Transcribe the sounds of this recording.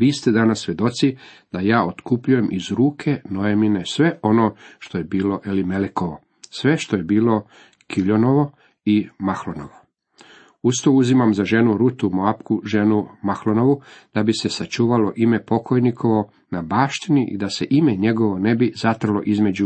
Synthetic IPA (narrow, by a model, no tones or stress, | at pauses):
ʋiːst̪ed̪anasːʋje̞d̪o̞t̪sid̪ajaːot̪kupʎuje̞mʔizɾuːkʰe̞nojeminesʋe̞ʔo̞noːʃt̪ojebiːlo̞ʔelimeleko̞ʋo̞ | sʋe̞ʃt̪o̞jebiːlo̞ | kiʎonoʋo̞ | imaxlono̰ʋo | ust̪ouzimamzaʒe̞nuɾut̪umoapkuʒe̞numaxlono̞ʋud̪̥abise̞sat͡ʃuːʋalo̞ʔime̞po̞kʰo̞jnikʰo̞ʋo̞ | nabaːʃt̪iniʔḭd̪ase̞ʔimeɲe̞ɡo̞ʋo̞ne̞bizat̪r̩lo̞̰ʔizme̞d͡ʑu